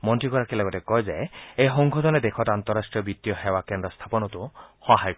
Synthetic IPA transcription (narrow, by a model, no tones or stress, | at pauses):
mɔntɹikɔɹakɛlɔɡɔtɛkɔjzeejɦɔŋɡʱɔd̪ɔnɛd̪ekʰɔtant̪ɔɾastɹijɔbit̪ːijɔxewakendɾɔst̪ʰapɔnɔt̪uxɔɦajk